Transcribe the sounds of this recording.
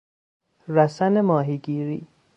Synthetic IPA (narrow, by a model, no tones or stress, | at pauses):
ɾæsænemɒːɦiːɡiːɾḭː